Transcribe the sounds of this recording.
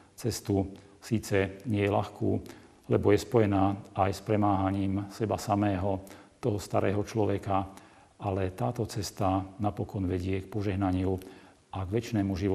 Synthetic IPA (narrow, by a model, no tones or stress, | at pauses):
t͡sɛst̪u | siːt͡sɛɲɪɛjɛla̰xkṵː | lɛbɔjɛspɔjɛnaːajspɾɛmaːɦaɲiːmsɛbasamɛːɦɔt̪ɔɦɔst̪aɾɛ̰ːɦɔt͡ʃlɔʋɛka | alɛt̪aːt̪ɔt͡sɛst̪anapɔkɔnʋɛɟɪɛk̚pɔʒɛɦnaɲɪu | aɡʋɛt͡ʃnɛːmuʒiʋɔ